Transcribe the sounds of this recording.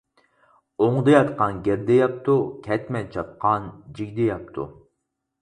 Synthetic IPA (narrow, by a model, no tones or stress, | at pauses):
oŋd̪ɨjɑt̪qɑnɡʲeɾd̪ɛjɑp̚t̪ʰukʲʰɛt̪mɛnt͡ʃʰɑp̪̚qʰɑnd͡ʒiɡʲd̪ɪjɑp̚t̪ʰṵ